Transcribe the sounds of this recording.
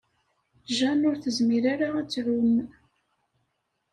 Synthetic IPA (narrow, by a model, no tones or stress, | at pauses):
ʒænʊɾθəzmiɾaɾaæt͡sːʕum